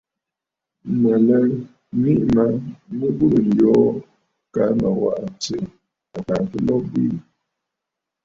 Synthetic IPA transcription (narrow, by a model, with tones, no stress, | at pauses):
mə˨lə˦ | mi˦ʔma˦mə˦bə˦˨n˨jɔ˦ | ka˨˦ma˨wa̰˨ʔt͡se˨ | a˨ka˨kə˦lɔ˦bi˦˨